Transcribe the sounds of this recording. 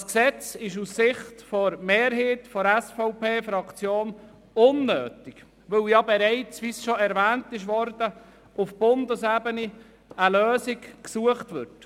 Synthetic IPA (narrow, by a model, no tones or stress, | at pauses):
sksɛt͡sɪʃussɪχtfɔɾmeːɾɦiːtfɔɾɛsfɔʊpeːfɾɑkt͡sjoːn | ʊnːøːtɪɡ | ʋɵljɑbɛɾɛɪt͡sʋisʃoɛɾvæːntɪʃʋɔɾd̥ə | ufb̥ʊndəsebəni | əløːsɪkksuəχtvʏt